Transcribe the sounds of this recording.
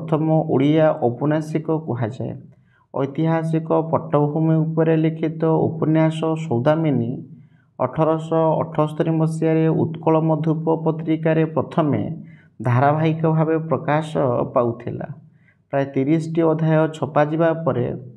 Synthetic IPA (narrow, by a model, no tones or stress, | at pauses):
pɔt̪ʰɔmɔʔuɽijaʔopɔnasikɔkuɦad͡ʒa̰ḛ | ɔ̰jt̪iɦasikɔpɔʈːɔbɔɦumiupɔɾelekʰit̪ɔṵpɔnjasɔsɔwd̪ʱamini | ɔ̰ʈʰɔɾɔsɔɔ̰ʈʰɔst̪ɔɾimɔsijaɾeṵt̪kɔɭɔmɔd̪ʱjupɔpɔt̪ɾikaɾepɾɔt̪ʰɔmḛ | d̪ʱaɾabʱaɦikɔbʱabepɾɔkasɔpawt̪ʰila̰ | pɾaet̪iɾisʈiɔd̪ʱajɔt͡ʃʰɔpad͡ʒibapɔɾḛ